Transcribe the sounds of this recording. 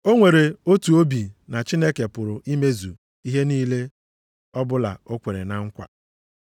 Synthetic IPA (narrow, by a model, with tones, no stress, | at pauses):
o˦ŋʷe˨ɾe˨o˦tu˨o˦bi˨na˨t͡ʃi˦ne˦ke˨pʊ˨ɾʊ˨ʔi˦me˦zu˨ | i˦ɦe˦niː˦le˦ | ɔ˦bʊ˦la̰˨o˦kʷe˨ɾe˨na˨ŋ̩˦kʷa̰˨